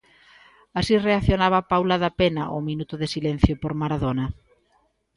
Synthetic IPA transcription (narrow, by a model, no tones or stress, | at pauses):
asireaθjonaβ̞ɐpawlaðapenɐʔʊminut̪ʊðɪsilen̟θjopoɾmaɾaðonɐ